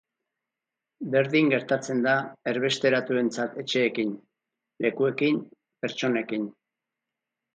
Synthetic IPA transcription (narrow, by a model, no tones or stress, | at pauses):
be̞ɾðiŋɡe̞ɾt̪at͡se̞nd̪ae̞ɾβe̞st̪e̞ɾat̪ue̞nt͡sat̪e̞t͡ʃe̞ːkin | lʔe̞kue̞kim | pe̞ɾt͡ʃo̞ne̞kin